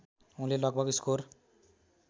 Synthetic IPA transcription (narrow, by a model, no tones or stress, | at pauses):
ũlelʌɡ̚bʱʌɡiskor